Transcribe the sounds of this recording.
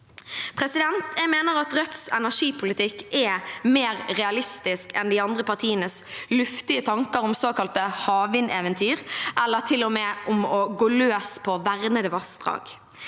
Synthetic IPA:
pʰʁɛsɪd̪ɛnt̪jɛmeːnəɾɑt̪ɾœt̪sɛ̰næʂiːpʰʊlɪt̪ʰɪkːɛmeːɾɾɛɑlɪst̪ɪskɛ̰nd̪ɪɑnd̪ʁəpɑʁt̪ʰiːənəslʉft̪ɪət̪ʰɑŋkəɾʊmsoːkɑlt̪əhɑːʋɪnɛːʋɛnt̪ʰyːʁʔɛlːəɾt̪ʰɪlːɔmɛːʔʊmɔɡoːløːspʰɔʋæʁnəd̪ɛʋɑsd̪̥ʁɑ̰ːɡ̥

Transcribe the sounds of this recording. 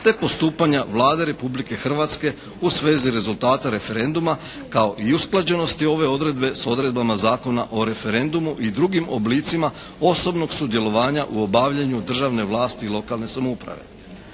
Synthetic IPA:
t̪e̞po̞st̪uːpaɲaʋlˠaːd̪e̞ɾe̞publike̞xr̩ʋat̪ske̞ | usʋe̞ːziɾe̞zulˠt̪aːt̪aɾe̞fe̞ɾe̞nd̪uma | kao̞ʔiusklˠad͡ʑe̞no̞st̪io̞ʋe̞o̞d̪ɾe̞d̪be̞so̞d̪ɾe̞d̪bamazaːko̞na̰ʔo̞ɾe̞fe̞ɾe̞nd̪umuʔid̪ɾuɡimo̞bliːt̪sima | o̞so̞bno̞ɡsud̪je̞lˠo̞ʋaːɲaʔuo̞baʋʎeɲud̪r̩ʒaʋne̞ʋlˠaːst̪iːlˠo̞kalˠne̞samoupɾa̰ʋe̞̰

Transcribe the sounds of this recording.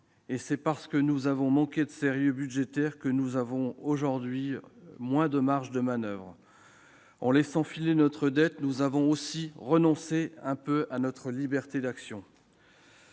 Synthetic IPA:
esɛpaʁsə̥kənuzavɔ̃mɑ̃kʲed̪əseʁjøbyd̪ʒet̪ɛʁkənuzavɔ̃oʒuʁd̪ɥimwɛ̃d̪əmaʁʒd̪əmanœvʁ | ɑ̃lɛsɑ̃filenɔt̪χəd̪ɛt̪nuzavɔ̃osiʁənɔ̃seɛ̃pøanɔt̪χəlibɛʁt̪ed̪aksjɔ̃

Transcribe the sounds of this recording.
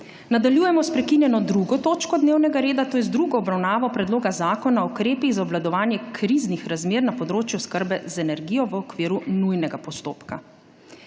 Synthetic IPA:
nad̪aljuːjɛmɔspɾɛkinjɛnɔd̪ɾuɡɔt̪oːt͡ʃkɔd̪neːwnɛɡaɾeːd̪at̪oːjɛzd̪ɾuɡɔːbɾawnaːʋɔpɾɛd̪loːɡazaːkɔnaukɾeːpiɣzaɔblad̪ɔʋaːnjɛkʰɾiznixɾazmeːɾnapɔd̪ɾoːt͡ʃjuskəɾbɛzɛnɛɾɡiːjɔʋəɔkʋiːɾunujnɛɡapɔst̪oːpka

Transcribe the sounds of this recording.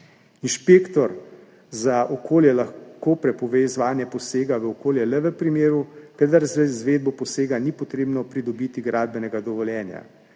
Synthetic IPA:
inʃpeːkt̪ɔɾ | zaʔɔkʰoːljɛlaxkopɾɛpɔʋezʋaːnjɛpɔseːɡaʋəokoːljɛlɛʋəpɾimeːɾukəd̪aɾzzʋeːd̪̚bɔpɔseːɡanipɔt̪ɾeːbnɔpɾid̪ɔbiːt̪iɡɾaːd̪̚bɛnɛɡad̪ɔʋɔljɛːnja̰

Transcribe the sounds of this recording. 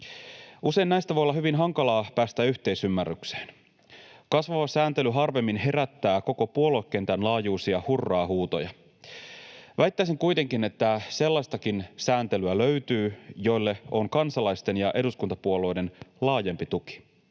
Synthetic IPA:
use̞innæjst̪æʋojolːɑɦyʋinɦɑŋkɑlɑːpæːst̪æyht̪e̞isymːærːykse̥ːn | kɑsʋɑʋɑsæːnt̪e̞lyɦɑrʋe̞mːinhe̞ɾæt̪ːæːko̞ko̞puo̞lokːent̪ænlɑːjuːsiɑhurːɑːhuːt̪o̞̰jɑ | ʋæjt̪ːæijs̬iŋkujt̪e̞ŋkinet̪ːæse̞lːɑst̪ɑkinsæːnt̪e̞lyæløɥt̪yːjo̞ilːe̞o̞ŋkɑnsɑlɑjst̪e̞njɑʔe̞duskunt̪ɑpuo̞lojde̞nlɑːje̞mpit̪uk̟i̥

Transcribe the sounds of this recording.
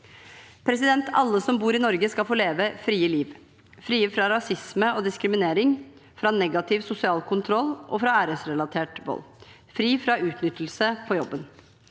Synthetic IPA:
pʰɾɛsɪd̪ɛnt̪ʰɑ̰lːəsɔmbuːɾɪnɔɾɡəskɑfoːleːʋəfɾiːəliːʋ | fɾiːəfɾɑɾɑsɪsməɔd̪ɪskɾɪmɪneːɾɪŋ | fɾɑnɛɡɑt̪ʰɪʋsʊsɪɑːlkʰʊnt̪ʰɾɔlːʔɔfɾɑæːɾəsɾɛlɑt̪ʰeːʈʋɔ̰lː | fɾiːfɾɑʉːt̪nʏt̪ːl̩səpʰɔjɔbːən

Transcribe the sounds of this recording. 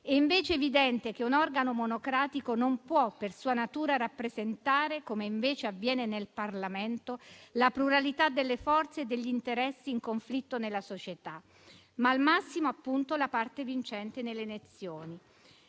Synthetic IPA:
ɛiɱveːt͡ʃeːvid̪ɛnt̪ek̟eunɔrɡanomonokɾaːt̪ikonompwɔpːersuːanat̪uːɾaɾapːɾezent̪aːɾekomeiɱveːt͡ʃeavːjɛːnenelparlament̪olapɾuɾalit̪ad̪ːelːefɔrt̪seːd̪ːeʎːint̪eɾɛsːiːŋkoɱflit̪ːonelːasot͡ʃet̪a | maːlmasːimoapːunt̪olapart̪evint͡ʃɛnt̪enelːenet̪sːjoːni

